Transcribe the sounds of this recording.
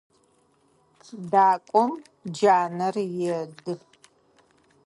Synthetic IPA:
t͡sʼdaːkʷʼɔm | d͡ʒaːnɐrjɛdɨ

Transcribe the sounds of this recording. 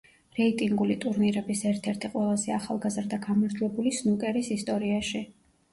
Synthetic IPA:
ɾɛit̪ʼiŋɡulit̪ʼuɾniɾɛbisɛɾt̪ʰɛɾt̪ʰiqʼwɛlˠazɛaχalˠɡazɾd̪aɡamaɾd̪ʰlɛbulisnukʼɛɾisist̪ʼɔɾiaʃi

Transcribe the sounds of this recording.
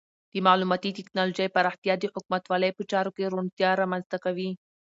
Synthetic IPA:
d̪̥əmalumɑt̪it̪iknalod͡ʒajpaɾaht̪ijɑd̪əħʊk̚mat̪wɑləjpət͡ʃɑɾokeɾont̪jɑɾamanzt̪akawi

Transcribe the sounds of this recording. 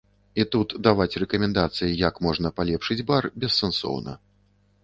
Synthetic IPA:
it̪ut̪d̪avat͡sʲrɛkɐmʲɛnd̪at̪sɨjijakmɔʐnɐpalʲɛpʂɨd͡zʲbarbʲɛsːɛnsɔ̰wnɐ̰

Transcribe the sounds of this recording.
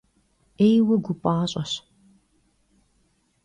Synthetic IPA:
ejwɐɡʷʊpʼaːɕʼɐɕ

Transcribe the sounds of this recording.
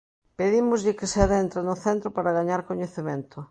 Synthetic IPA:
peðimʊzʎɪkɪseaðent̪ɾanʊθent̪ɾʊpaɾaɣaɲaɾkoɲeθemẽnt̪ʊ

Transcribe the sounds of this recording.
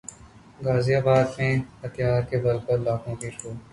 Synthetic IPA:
ɡaːzijaːbaːd̪mẽhɐt̪jaːɾkebɐlpɐɾlaːkõkiʃuː

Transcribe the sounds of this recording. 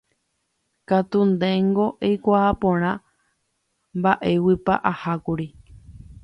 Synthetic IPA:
kat̪und̪ẽŋɡo̞ʔejkʷaːpõɾ̃ã | mbaʔe̞wipa̰ʔahakuɾi

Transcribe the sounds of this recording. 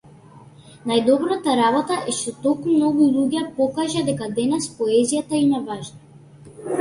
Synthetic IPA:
najd̪ɔbɾat̪aɾabɔt̪aʔɛʃt̪ɔt̪ɔlˠkmumnɔɡulˠuɟɛpɔkaʒad̪ɛkad̪ɛnɛspɔɛzijat̪aimavaʒna

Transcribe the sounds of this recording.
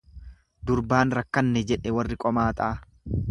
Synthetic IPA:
d̪ʊɾbaːnɾɐkːɐnːɛd͡ʒɛᶑɛwɐrːɪkʼɔmaːt̪ʼaː

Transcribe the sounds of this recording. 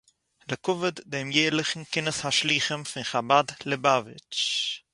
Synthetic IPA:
ləkʊvəddemjeːlɪχn̩kɪnəshaʃliːχəmfɪnχabadləbavɪ̰t͡ʃ

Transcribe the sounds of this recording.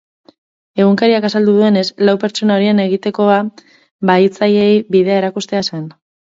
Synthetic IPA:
e̞ɣuŋkaɾiakasald̪uðue̞ne̞slawpe̞ɾt͡ʃo̞nao̞ɾiene̞ɣ̞it̪e̞ko̞a | βait͡sajejβiðe̞ae̞ɾakust̪e̞asen

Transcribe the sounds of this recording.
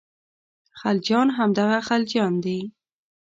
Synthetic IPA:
xald͡ʒɑnɦamd̪aɣaxald͡ʒjɑnd̪e

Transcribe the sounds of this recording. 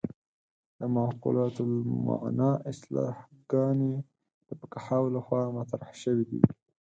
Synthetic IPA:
d̪əmaqṵlɑt̪lma̰ʕnɑʔɪslɑ̰hɡ̥ɑne | d̪̥əpəkahawlaxwɑmat̪ɾahʃəwid̪ḭ

